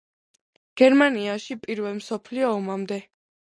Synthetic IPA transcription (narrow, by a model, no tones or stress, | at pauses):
ɡ̥ɛɾmaniaʃipʼiɾvɛlˠmsɔpʰliɔːmamd̪ɛ